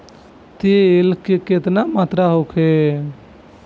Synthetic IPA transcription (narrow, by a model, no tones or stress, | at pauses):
t̪eelkeket̪namat̪ɾaɦokʰe